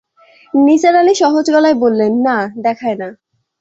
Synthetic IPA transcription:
nit͡ɕaɾaliʃɔɦod͡ʑɡɔlaebolːenːad̪ɛkʰaena

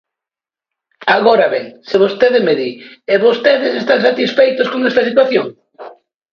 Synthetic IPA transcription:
aɣoɾaβeŋsɪβost̪eðɪmeðieβost̪eðɪsest̪aŋsat̪isfejt̪oskoŋɛst̪ɐsit̪waθjoŋ

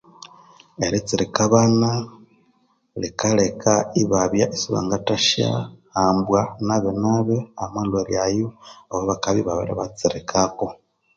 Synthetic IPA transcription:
eɾit͡siɾikaβana | likalekʰaiβaβjaʔisiβa̰ŋɡataʃa̰haːmbwanaβenaβeamalweɾjajooβoβakaβiβaβḛɾa̰βat͡siɾikʰako

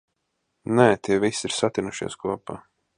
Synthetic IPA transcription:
nɛt̪ʰʲiɛvisʲiɾsat̪ʲinuʃḭːskuɔpaː

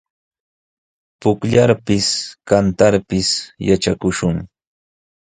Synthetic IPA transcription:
pʊkʎaɾpɪskant̪aɾpɪsjat͡ʃakʊʃʊŋ

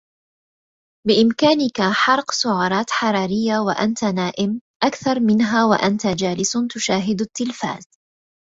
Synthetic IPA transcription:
bɪʔɪmkaːnɪkaħɑɾˤqsʊʕɑːɾˤɑːt̪ħɑɾˤɑːɾɪjːawa̰ʔant̪anaːʔɪmʔakθɑɾˤmɪnɦaːwa̰ʔant̪ad͡ʒaːlɪsʊt̪ʊʃaːɦɪd̪at̪ːɪlfa̰ːz̥

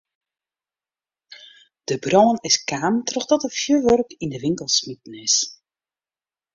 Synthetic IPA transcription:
d̥əbrɔːnɪskaːmtrɔxdɔtəfjøʋørkindəʋɪŋkəlˠsmit̚ən̩ɪs

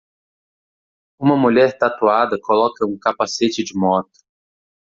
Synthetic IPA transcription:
ũmɐmuʎɛɾt̪at̪uad̪ɐkolɔkɐũkapaset͡ʃɪd͡ʒɪmɔt̪ʊ̥

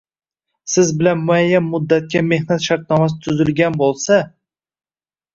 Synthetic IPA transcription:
sɪzbɪlanmʊajːanmʊd̪ːat̪̚kʲame̞hnat̪ʃaɾt̪̚nɒmas̬ɪt̪ʰʊzɪlɡʲanbolˠsa

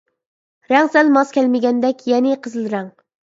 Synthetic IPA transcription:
ɾæŋsælmɑskʲʰælmɪɡʲɛnd̪ɛkʲjɛnɪqʰɨzɨlˠɾæŋ

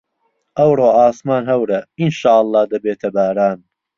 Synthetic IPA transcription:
ʔɐwɾoːaːsmaːnɦɐwɾɐinʃaːʔɑlˠːɑːhd̪ɐbeːt̪ʰɐbaːɾaːn

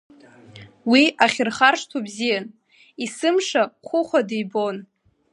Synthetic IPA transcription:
wiaχʲɪrχarʂtʰubzijan | isɨmʂaχʷʰʊχʷadijbon

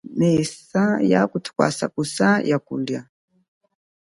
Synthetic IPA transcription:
nɛsaja̰kutʰu̥kwa̰sakusajakulja

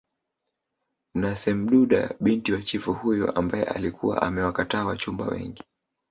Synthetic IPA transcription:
nasɛm̩ɗuɗa̰ɓintiwat͡ʃifuhujɔ̰ʔambajɛ̰ʔa̰likuwa̰ʔamɛwakataːwat͡ʃumba̰wɛ̰ŋɡi

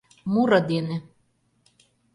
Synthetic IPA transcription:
muɾɤd̪enĕ

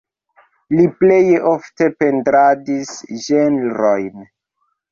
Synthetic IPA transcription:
liplejofte̞pe̞ndɾadisʒenɾojn

